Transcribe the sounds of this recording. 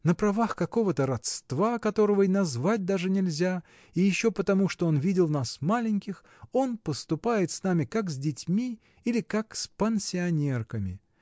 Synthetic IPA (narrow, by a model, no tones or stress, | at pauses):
nəpɾɐvaxkɐko̞vət̪əɾɐt̪st̪vakɐt̪o̞ɾəvəinɐzvat̚ʲd̪aʐɨnʲɪlʲzʲa | ijɪɕːo̞pət̪ɐmuʂt̪oo̞nvʲidʲɪlˠnasmalʲɪnʲkʲɪx | o̞npəst̪ʊpajɪt̪snamʲɪkakzʲdʲɪtʲmʲi | ilʲɪkakspənʲsʲɪɐnʲe̞rkəmʲɪ̰